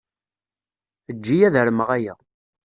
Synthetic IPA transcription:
əd͡ʒːijæðəɾəməʁæjæ̰

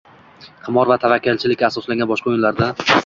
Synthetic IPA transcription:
qʰɨmɒɾvat̪ʰavakʲːalt͡ʃʰɪlɪkʲːasɒslaŋʲɡʲanbɒʃqɑojɪnlaɾd̪a

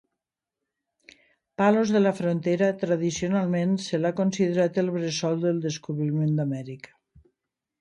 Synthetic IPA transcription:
palozðelafɾont̪eɾət̪ɾað̞isionalˠmẽnselakonsiðeɾat̪elˠβɾesɔlˠd̪elˠd̪eskuβɾimend̪amɛɾikə̥

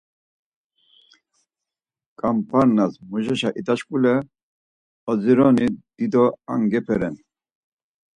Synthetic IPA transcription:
kʼampʰʼaɾnazmuʒɛʃaʔit̪at͡ʃkʼulɛ | ɔd͡ziɾɔnid̪̥id̪ɔa̰ŋɡɛpʰɛɾɛn

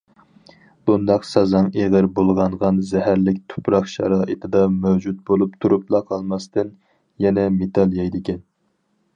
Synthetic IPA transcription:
b̥und̪ɑqsɑzɑŋeʁəɾbolˠʁɑɴʁɑnzɛɦæɾlɪk̚ʲt̪ʰo̥pɾɑqʃɑ̰ɾɑːʔit̪ʰɪd̪ɑmæwd͡ʒut̪̚bolˠupt̪ʰuɾuplˠɑqʰɑlˠmɑst̪ɨn | jɛnɛmet̪ʰɑlˠjɑjd̪ɪkʲɛn

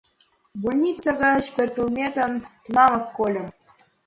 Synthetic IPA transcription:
bulʲnʲit̪t͡sːɑɡɑɕpʲerʲt̪ulʲmʲet̪ɤ̆nt̪unɑmɤ̆kːolʲɘ̆m

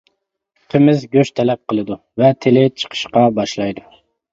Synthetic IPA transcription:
qʰəmɪzɡʲøʃt̪ʰɛlɛp̚qəlˠɨd̪u | vɛt̪ʰɪlɪt͡ʃʰə̥qʰə̥ʃqɑbɑʃlˠɑjd̪u

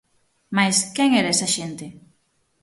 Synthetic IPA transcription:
majskɛŋɛɾaɛsɐʃent̪ɪ

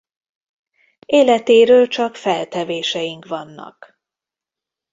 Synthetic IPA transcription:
eːlɛt̪eːɾøːlt͡ʃɒkfɛlt̪ɛveːʃɛjiŋkʋɒnːɒ̰k

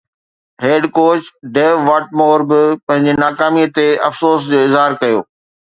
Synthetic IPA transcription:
ɦeːɖkoːt͡ɕɖeːʋʋɐʈ̚moːɾbɪpɐ̃ɦɪ̃ɲd͡ʑenaːkaːmiət̪eɐfsoːsd͡ʑoːɪzɦaːɾkɐjo̰ː

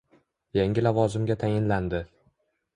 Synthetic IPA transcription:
jaŋʲɪlavɒzɪmɡʲat̪ʰajɪnland̪ɪ

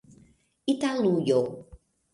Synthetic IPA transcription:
italujo

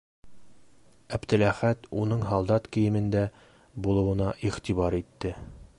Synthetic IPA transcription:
æbt̪ɘ̆læχæt̪unɤɴɦɑlˠd̪ɑt̪kɘ̆jɘ̆mɘ̆nd̪æ | bulˠɤ̆wɤ̆nɑʔiʁt̪iβɑɾit̪ːɘ

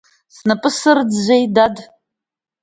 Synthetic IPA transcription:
snapʼɨsɨrd͡zʒʷejdad

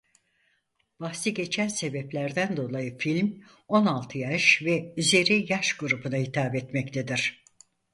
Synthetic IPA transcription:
b̥ahsiɟe̞t͡ʃʰænse̞bɛplʲæɾd̪ænd̪o̞lˠajɯfilʲm | o̞nalˠt̪ʰɯjaʃvɛyze̞ɾijaʃɡuɾupʰunaɦit̪ʰaːbɛt̪mɛct̪ʰed̪iɾ̥

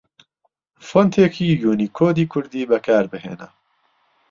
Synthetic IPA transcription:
font̪ʰeːkʰiːjuːniːkʰoːd̪iːkʰʊɾd̪iːbɛkʰaːɾbɨɦḛːnɛ̰

